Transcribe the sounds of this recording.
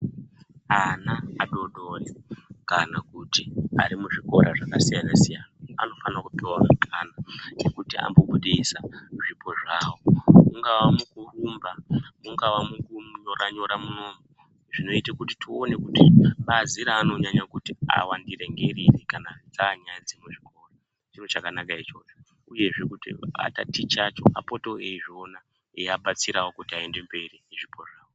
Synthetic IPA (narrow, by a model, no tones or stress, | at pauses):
anaaɗo̞ɗorekanakutia̰ɾimuʐiko̞ɾaʐakasijanasijanaa̰no̞fanakupiwamakʰananekutia̰mboɓuɗisaʐipo̞ʐaːwomuŋɡaʋamukurumbamuŋɡaʋamukuɲoɾaɲo̞ɾamunoːmu | ʐino̞itakutitʰione̞kutiɓaziɾaːno̞ɲaɲakutia̰wandire̞ŋɡe̞rirekanad͡zaɲanzimeʐiko̞ra | t͡ʃinot͡ʃakanakait͡ʃo̞t͡ʃo | uje̞ʐe̞kutḭa̰ta̰tit͡ʃat͡ʃo̞a̰poto̞eʐiona | eaɓat͡siɾawo̞kutiae̞nde̞mbe̞rineʐipʰoʐaːwo